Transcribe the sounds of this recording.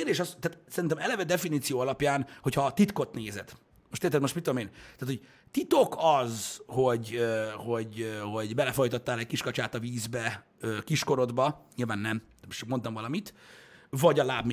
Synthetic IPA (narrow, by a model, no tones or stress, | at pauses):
rd̪eːʃɒst̪ːaːt̪sɛɾint̪ɛmɛlɛvɛd̪ɛfiniːt̪sijoːɒlɒpjaːnho̞chɒt̪it̪ko̞t̪neːzɛd̪̥ | mo̞ʃt̪eːrt̪ɛd̪moʃtmit̪omeːnt̪aːt̪ʰoɟ | t̪it̪o̞kɒzho̞ɟøho̞ɟøho̞ɟbɛlɛfo̞jt̪ɒt̪ːaːlɛckiʃkɒt͡ʃaːt̪ɒviːzbɛ | økiʃko̞ɾo̞d̪bɒɲilvaːnːɛm | mʃkmo̞nt̪ɒmvɒlɒmit̪vɒɟɒlaːbm